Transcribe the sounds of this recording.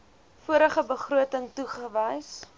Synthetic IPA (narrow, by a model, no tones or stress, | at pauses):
fuəɾəχəbəχruətəŋtuχəvəjs